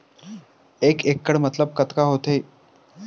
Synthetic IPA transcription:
ekekːəɽmət̪ləb̚kət̪kaɦot̪e

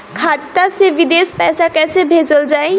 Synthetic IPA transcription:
kʰaːt̪ːaseʋɪd̪eːspɛːsakɛːsebʱeːd͡ʒəld͡ʒaːe

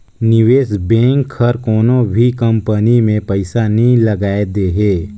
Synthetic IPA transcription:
nɪʋeːsbɛ̃ːŋkʰəɾkɔːnõbʱikə̃mpənimẽpəɪsanəɦĩləɡaːed̪eːɦeː

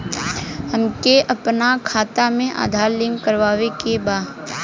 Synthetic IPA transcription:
hɐmkeʔɐpnakʰaːt̪amẽʔa̰ːd̪ʱaːɾlɪːmkəɾʋaːʋekebaː

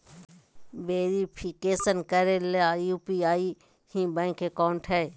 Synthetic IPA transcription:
ʋeːɾipʰikeːsənkɐɾeleajuːpiaːi | hĩbɛ̃ːŋkekaːɳʈɦɛː

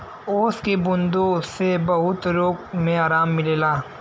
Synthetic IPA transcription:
oːskebʊnd̪osebɐɦʊt̪ɾoːkmẽaːɾaːmːɪleːlaː

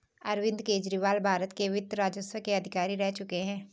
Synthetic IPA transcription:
ɐɾʋɪ̃nd̪keːd͡ʒɾiːʋaːlbʱaːɾət̪keʋɪd̪ɾaːd͡ʒəsʋəkeɐd̪ʱɪkaːɾiɾɛɦt͡ʃʊkeɦɛ̃ː

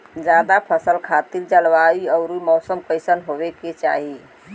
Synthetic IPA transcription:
d͡ʒad̪apʰəsəlkʰat̪ild͡ʒəlʋaiəʊɾumɔsəmkəɪsənɦobekːet͡ʃa̰ɦi

